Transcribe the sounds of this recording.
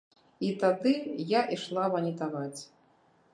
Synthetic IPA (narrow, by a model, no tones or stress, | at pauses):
it̪ad̪ɨjaʔiʂlˠavɐnʲit̪avat͡sʲ